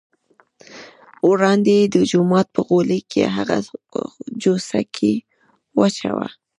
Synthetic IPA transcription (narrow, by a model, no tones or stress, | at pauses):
ɾɑnd̪ed̪əd͡ʒʊmɑt̪̚pəɣolekʰḛɦaɣa | d͡ʒosakʰe | wat͡ʃawa̰